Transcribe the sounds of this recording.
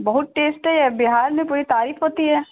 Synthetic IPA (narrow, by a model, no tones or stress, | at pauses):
bɐɦʊt̪̚ʈeːsʈɦɛjɛbɪɦaːɾnẽpuːɾit̪aːɾiːfɦoːt̪iɦɛː